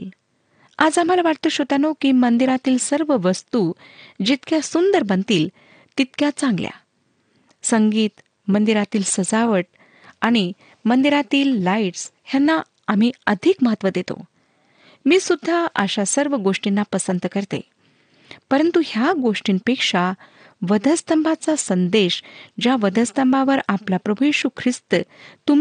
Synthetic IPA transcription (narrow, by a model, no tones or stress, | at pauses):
l | ad͡zam̤alaʋaʈt̪əɕot̪anokiːmənd̪iɾat̪iːlsəɾʋəʋəst̪ud͡ʑit̪kjasund̪əɾbənt̪iːl | t̪it̪̚kjat͡sãŋɡlja̰ | səŋɡiːt̪ | mənd̪iɾat̪iːlsəd͡zaʋəʈ̚ | aɽ̃i | mənd̪iɾat̪iːlːaiʈshjanːa | am̤iːəd̪ʱiːkməɦət̪ʋəd̪et̪o̰ | miːsud̪ʱːaʔəɕasəɾʋəɡoʂʈinːapəsənd̪kəɾt̪ḛ | pəɾənt̪uhjaɡoʂʈiːnpekʂa | ʋəd̪ʱəst̪əmbʱat͡sasənd̪eɕd͡ʑjaʋəd̪ʱəst̪əmbʱaʋəɾaplapɾəbʱujjeɕukʰɾist̪ət̪um